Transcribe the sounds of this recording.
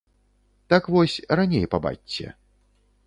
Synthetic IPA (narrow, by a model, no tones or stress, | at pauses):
t̪akvɔsʲranʲḛjpaba̰t͡ɕʲːɛ̰